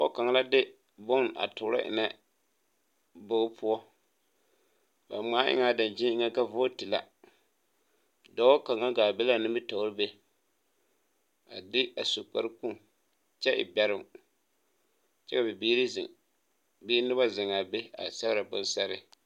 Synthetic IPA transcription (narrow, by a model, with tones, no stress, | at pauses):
ɔ̰˦ka˨ŋa˨˦la˦dɪ˦ | bʊ˦nʔa̰˨tʊ˨ɾa̰˦ʔɪ̰˨nɛ˦ | bʊ˦ɣpʰʊ˦ɔ˦ | ba̰˨maː˨˦ʔɪ̰˦ŋa˨da˨nd͡ʒɪ˦ɪ˦ŋa˦ka˦vʊ˦ti˨la̰˨ | dɔ˨˦o˦ka˨ŋa˦ɡaː˨be˦la˦˨nɪ˦mbɪ˦to˨˦ɾɨ˦be˦ | a̰˨dɪ˦a˨so˨k͡pa˦ɾɨ˦ku˦ŋ | t͡ʃɛ˦ʔɪ̰˨bɛ˨ɾɪ˦m | t͡ʃɛ˦ka˨bɪ˨biː˦ɾi˦zɪ̰˨ŋ | biː˦nɪ˦ba˦zɪ˨ŋa˨be˦a̰˨sa˦ɣɾa˨bʊ˦n˦sa˦ɾɪ˦